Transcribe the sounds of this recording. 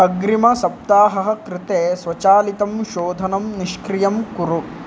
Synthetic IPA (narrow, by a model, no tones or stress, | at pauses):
ɐɡɾimɐsɐp̚t̪aːɦɐɦɐ̆kɾɪt̪eːsʋɐt͡ʃaːlit̪ɐmʃoːd̪ʱɐnɐmniʃkɾijɐmkuɾu